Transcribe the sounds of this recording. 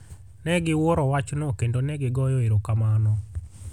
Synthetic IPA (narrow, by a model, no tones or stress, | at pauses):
nɛɡɪwoɾɔwat͡ʃnokendonɛɡɪɡɔjɔeɾokamanɔ